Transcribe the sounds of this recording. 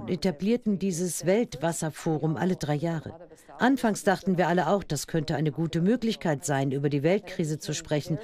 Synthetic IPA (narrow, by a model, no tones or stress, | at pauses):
tʔetabliːɐtn̩diːzəsv̥ɛltv̥asɐfoːʁʊmʔa̰lədʁaɪjaːʁə̰ | ʔanfaŋsd̥aχtn̩viːɐʔaləʔaʊxd̥askʰœntəʔaɪnəɡuːtəmøːklɪçkʰaɪtz̥aɪnʔyːbɐdiːvɛlt̚kʁ̥iːzət͡suʃpʁ̥ɛçn̩